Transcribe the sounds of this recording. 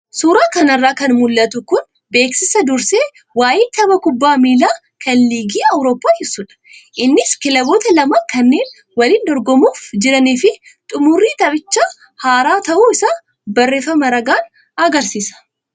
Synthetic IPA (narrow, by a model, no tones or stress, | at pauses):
suːɾaːkɐnɐrːaːkɐnmʊlːɐt̪ʊkʊn | be̞ːksɪsɐd̪ʊɾse̞ː | waːjɪːnt̪ʰɐbɐkʊbːaːmiːlaː | kɐnliːɡiːɐwɾo̞ːpːaːhɪsʊᶑɐ̥ʔɪnːɪskɪlɐbo̞ːt̪ɐlɐmɐkɐnːe̞ːn | wɐliːnd̪ɔɾɡɔmuːfd͡ʒɪɾɐniːfɪ | t̪ʼʊmʊrːiːt̪ɐbɪt͡ʃːaː | haːɾaːt̪ɐʔuːɪsaː | bɐrːeːfɐmɐɾɐɡaːn | ɐɡɐɾsiːsɐ̥